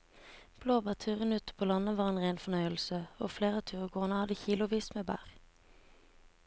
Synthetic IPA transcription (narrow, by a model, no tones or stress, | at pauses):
b̥loːbæːʁt̪ʰʉːʁənʉːt̪pʰoːlɑnəʋɑːʁeːnʁeɪnfɔnœʏəlsəoːfleːʁɑːt̪ʰʉːʁəɡoːʁnəhɑd̪əçiːlʊʋiːsmeːbæ̰ːʁ